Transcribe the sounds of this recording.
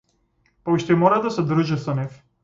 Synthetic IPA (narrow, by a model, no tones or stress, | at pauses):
pauʃt̪ɛmɔɾad̪asɛd̪ɾuʒɛsɔnɛf